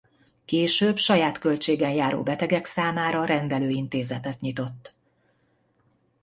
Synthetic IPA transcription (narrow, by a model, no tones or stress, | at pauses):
keːʃøːbʃɒjaːt̪kølt͡ʃeːɡɛɲjaːɾo̰ːbɛt̪ɛɡɛksaːmaːɾɒɾɛnd̪ɛløːint̪eːzɛt̪ɛt̪ɲit̪o̞t̪ː